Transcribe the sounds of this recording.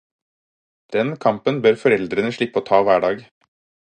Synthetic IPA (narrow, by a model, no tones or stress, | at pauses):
d̪̥ɛnkʰɑmpənbøɾfɔɾɛld̪ɾənəʂɭɪpːəoːt̪ʰɑːʋæːɖɑːɡ